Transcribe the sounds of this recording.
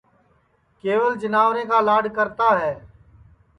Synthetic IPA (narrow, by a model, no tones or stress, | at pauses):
keːʋəld͡ʒənaːʋɾẽːkaːlaːɖkəɾt̪aːɦɛː